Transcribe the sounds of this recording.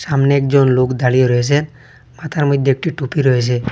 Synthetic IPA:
samneɛkd͡ʒɔnlokd̪aɭijoɾɔesʰe | mat̪ʰaɾmɔd̪ːek̚ʈiʈupiɾɔesʰe

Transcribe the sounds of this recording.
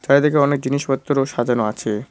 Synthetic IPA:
d͡ʑaɾd̪ekeɔnek̚d͡ʑiniʃbɔt̪ːoɾoʃad̪ʱanoat͡ɕʰe

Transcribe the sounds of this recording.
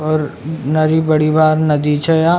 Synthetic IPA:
ɔːɾnɐɾibɐɽibaːɾnɐd̪it͡ʃʰɐja

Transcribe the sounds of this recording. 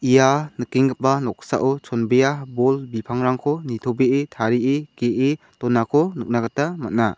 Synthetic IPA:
ijanɯkiŋɡɯp̚banɔk̚sa̰ʔɔt͡ʃʰɔnbejabɔlbipʰaŋɾaŋkʰɔnitʰobeʔetʰaɾiʔekeʔetɔnakʰɔnɯk̚naɡatamat̚na̰

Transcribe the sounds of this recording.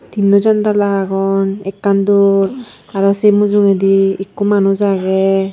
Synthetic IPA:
d̥̪inːɔzant̪alaaɡɔnɛkːanduɹ | aɹɔsejmuzuŋɛdiekːumanuzaɡɛ

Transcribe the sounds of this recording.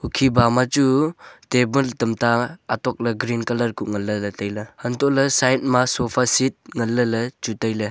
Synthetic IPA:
ukʰibamat͡ʃutebəltɐmtaːtɔk̚lɐɡɾinkɐlɐɾkuŋɐlːəlɐtəjlɐhɐntɔlɐsajt̚masopʰasit̚ŋɐlːəlɐt͡ʃutajlɐ

